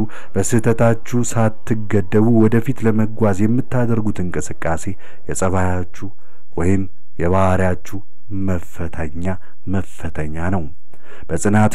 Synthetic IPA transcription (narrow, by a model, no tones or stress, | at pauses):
u | b̥əsɨt̪ʰət̪ʰat͡ʃːusat̪ʰːɨɡəd̪ːəβuwɔd̪əfit̪ləməɡʷazjɛmːɨt̪ːad̪əɾɡut̪ɨŋkʼɨsɨkʼːase̞ | jɛsʼəβajat͡ʃːu | wɔjɪm | jɛβahaɾijat͡ʃːu | məfːət̪ʰəɲːa | məfːət̪ʰəɲːanəw | b̥əsʼɨnat̪